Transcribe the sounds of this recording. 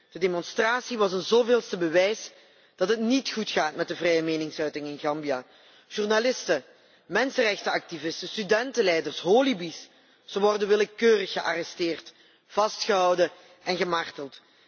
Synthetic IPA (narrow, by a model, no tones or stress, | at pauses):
d̥ədemɔnstraːsiʋɑsənzoːvɪːlˠstəbəʋɛjs | d̥ɑtɦətnitxutxaːtmɛt̚dəvrɛjəmeːnɪŋsœɥtɪŋɪnɣɑmbijaː | ʒ̥urnalɪstə | mɛnsərɛxtəɑk̚tivɪstəstydɛntəlɛjdərsɦoːlibis | z̥əʋɔrdənʋɪləkøːrəxːəʔa̰ːrɛstɪːrt | v̥ɑstxəɦɑwdə | ʔɛnɣəmartəlˠt